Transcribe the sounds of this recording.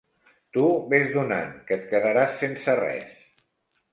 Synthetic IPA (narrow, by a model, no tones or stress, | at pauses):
t̪uβezðuna̰nkət̪̚kəðəɾasːensərɛ̰s